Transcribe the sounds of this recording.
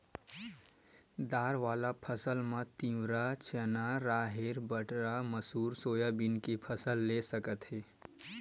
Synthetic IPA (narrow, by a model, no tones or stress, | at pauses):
d̪aːɾʋaːlapʰəsəlmãt̪ĩwɾat͡ʃʰenaɾaːɦeɾbəʈɾaməsuːɾsoːjabɪnkepʰəsəlːesəkət̪ɦeː